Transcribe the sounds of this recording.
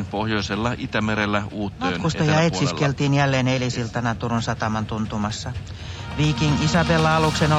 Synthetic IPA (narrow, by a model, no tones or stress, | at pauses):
npohjoiselːɑʔit̪æmeɾelːæuːt̪mːøːtkust̪ɑjɑet̪siskelt̪iːnjælːeːnelisilt̪ɑnɑt̪urunsɑt̪ɑmɑnt̪unt̪umɑsːɑ | ʋiːkiŋisɑpelːɑɑlukseno